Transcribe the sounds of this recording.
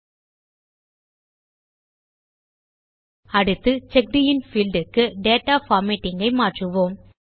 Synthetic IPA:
ɐɽɯt̪ːɯt͡ʃɛk̚ɖɪjɪnfiːlɖɯkːɯɖeːʈːaːfaːɾmiʈːɪŋɡɐɪmaːʈrɯʋoːm

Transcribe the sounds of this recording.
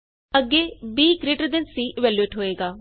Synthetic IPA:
əɡːeːbiːkɾeːʈəɾd̪ensiːʔɪʋɛːljueːʈɦoːeːɡaː

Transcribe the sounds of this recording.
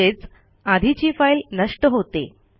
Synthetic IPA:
et͡s | ad̪ʱit͡ɕiːfailnəʂʈəɦot̪ḛ

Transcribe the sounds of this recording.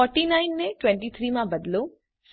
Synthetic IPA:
ɔɾʈinaːɪnːẽʈʋɛ̃ɳʈit̪ʰɾiːmãbɐd̪lo | s

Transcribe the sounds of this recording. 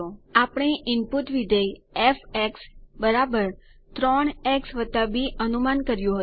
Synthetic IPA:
oapɳ̃eʔɪmput̪ʋid̪ʱəjɛfɛksbəɾabəɾ | t̪ɾɔɳ̃ɛksʋət̪abiʔənumankəɾjõɦə

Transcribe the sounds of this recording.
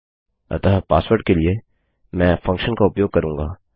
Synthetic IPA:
ɐ̰t̪əɦpa̰ːswəɾʈ̚kelie | mɛ̃ːfɐ̃ŋkʃənkaʊpjoːɡ̚kɐɾũːŋɡaː

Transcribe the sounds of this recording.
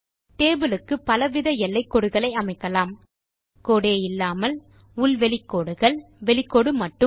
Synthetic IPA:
t̪eːbɪlɯkːɯpɐlɐʋɪðɐɛlːɐɪkːɔɽɯɣɐɭɐɪɐmɐɪkːɐlaːm | koːɽeːjɪlːaːmɐl | ʊlʋɛlɪkːoːɽɯɣɐɭʋɛlɪkːɔɽɯmɐʈːɯ

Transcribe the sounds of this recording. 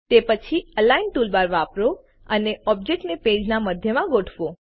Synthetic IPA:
t̪epət͡ʃʰiəlainʈulbaɾʋaːpɾo | əneɔb̚d͡ʒek̚ʈneped͡ʒnaməd̪ʱjəmãɡoʈʰʋo

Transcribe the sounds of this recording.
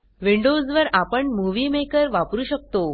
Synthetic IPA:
ʋiɳɖod͡zʋəɾapəɳmuʋiːmekəɾʋapɾuːɕək̚t̪o

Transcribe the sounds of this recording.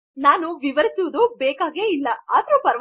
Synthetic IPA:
naːnuʋiʋɐɾisuʋud̪ubeːkaːɡe̞ːilːɐaːd̪ɐɾupɐɾ

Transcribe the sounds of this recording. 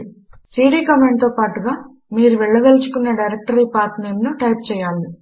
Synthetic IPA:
siːɖiːkɐmeɳɖ̚t̪o̞ːpaːʈuɡaː | miːɾuʋɛɭːɐɡ̪ɐlt͡ʃu̥kunːeːɖɐjɾek̚ʈɐɾiːpaːɾʈnɐjmnuʈɐjp̚t͡ʃɛːjaːli

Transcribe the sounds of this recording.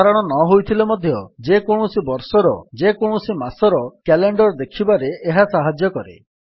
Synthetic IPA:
aɾɔɽ̃ɔnɔɦojt̪ʰilemɔd̪ʱjɔd͡ʒekoɽ̃usibɔɾsɔɾɔ̰d͡ʒekoɽ̃ɔsimasɔɾɔkɛleɳɖɔɾd̪ekʰibaɾeʔːɦasaɦad͡ʒjɔkɔɾḛ

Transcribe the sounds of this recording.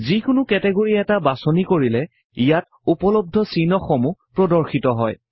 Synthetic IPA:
zikʊnʊkɛtɛɡoɹiɛtabasɔnikoɹilɛ | ijat̚ | upɔlɔb̚dʱɔsinɔxɔmupɹɔdɔɹxitɔɦɔj

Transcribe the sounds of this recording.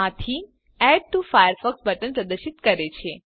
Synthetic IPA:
ãt̪ʰi | ɛɖ̚ʈufajəɾfəksbəʈənpɾəd̪əɾʃit̪kəɾet͡ʃʰe

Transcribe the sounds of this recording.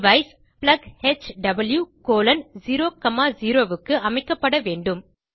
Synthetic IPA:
ʋɐɪs | plɐɡhet͡ʃɖɐbɐljuːkoːlɐnziːɾoːkɐmaːziːɾoːʋɯkːɯʔɐmɐɪkːɐpːɐɽɐʋeːɳɖɯm

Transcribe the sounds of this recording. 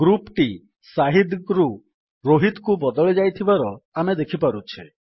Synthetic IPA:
ɡɾupʈi | saɦid̪ɡɾu | ɾoɦit̪kubɔd̪ɔɭed͡ʒajt̪ʰibaɾɔamed̪ekʰipaɾut͡ʃʰe

